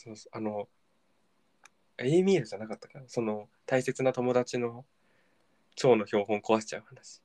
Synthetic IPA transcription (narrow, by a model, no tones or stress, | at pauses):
so̞ːso̥ʔano̞ | emʲiːɾɯ̟d͡ʑanakat̪ːḁkaɾaso̞no̞ | t̪aise̞t͡sɨnat̪o̞mo̞d̪at͡ɕino̞ | t͡ɕo̞ːno̞ço̞ːɦõ̞ŋko̞βaɕi̥t͡ɕa̰ɯ̟hanaɕi̥